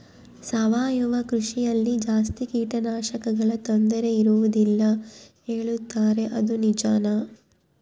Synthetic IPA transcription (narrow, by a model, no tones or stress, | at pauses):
sɐʋaːjuʋɐkɾuʂijɐlːid͡ʒaːst̪ikiːʈɐnaːʃɐkɐɡɐɭɐt̪ond̪ɐɾe̞iɾuʋud̪ilːɐɦe̞ːɭut̪ːaːɾe̞ʔɐd̪unid͡ʒaːnɐ